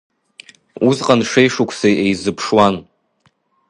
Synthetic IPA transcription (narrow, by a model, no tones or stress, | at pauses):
uzqʼanʂejʂukʷʰsejʔejzɨpʰʂwan